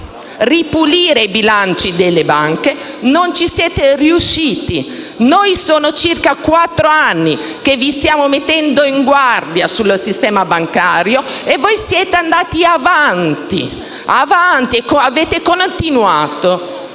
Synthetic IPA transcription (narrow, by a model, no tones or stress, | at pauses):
ripuliːɾeibilant͡ʃid̪elːebaŋke | nont͡ʃisjɛːt̪eriuʃːiːt̪i | nojsoːnot͡ʃirkakwat̪ːɾoanːi | k̟evːist̪jaːmomet̪ːɛnd̪oiŋɡward̪jasulːosist̪ɛːmabaŋkaːɾjoevːojsjɛːt̪eand̪aːt̪iavant̪ḭ | avant̪iekoaveːt̪ekont̪inwaːt̪o